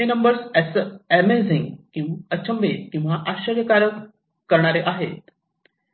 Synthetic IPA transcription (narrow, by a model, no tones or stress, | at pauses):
enəmbəɾsɛsæmeziŋɡkĩət͡ɕʰəmbet̪kĩw̃ʋaʔaɕəɾjəkaɾə | kəɾɳaɾeʔaɦḛt̪